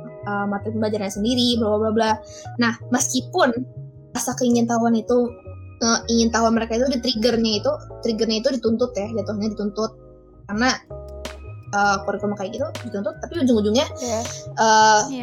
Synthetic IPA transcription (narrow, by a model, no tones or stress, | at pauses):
əmat̪ɾɪnbad͡ʒarɲasəndiɾiblabablabla | nahməskipʊn | ɾasakəiŋɪnt̪auanit̪uəiŋɪnt̪aɦuwanməɾekait̪udit̪ɾiɡərɲait̪ut̪ɾiɡərɲait̪udit̪unt̪ʊt̪jad͡ʒat̪uhɲadit̪unt̪ʊt̪̚ | karna | əkoɾikɔrmakajɪkit̪udit̪unt̪ʊt̪ːapiəɲd͡ʒuŋud͡ʒuŋɲaʔə